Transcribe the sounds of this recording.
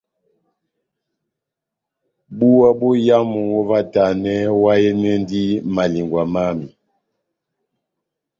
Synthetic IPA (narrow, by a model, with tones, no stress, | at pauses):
bu˦wa˦bu˦ja˦mu˨wɔ˦va˦ta˨nɛ˦wa˦jɛ˦nɛ˦n˦di˦ma˨li˨ŋɡwa˨ma˦mi˨